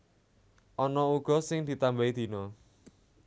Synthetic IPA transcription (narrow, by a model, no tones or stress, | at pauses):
ʔɔnɔuɡ̥ɔ̤sɪŋd̪̥i̤t̪ambaid̪̥i̤nɔ